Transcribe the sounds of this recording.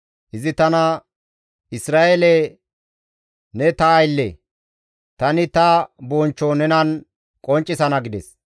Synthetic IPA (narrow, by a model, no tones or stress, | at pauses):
ʔɪzɪt̪ɐnɐ | ɪsɾaːʔele | nɛt̪ɐːjlːɛ̰ | t̪ɐnɪt̪ɐboːnt͡ʃːonɛnɐn | kʼɔnt͡ʃʼːɪsɐnɐɡɪd̪ɛs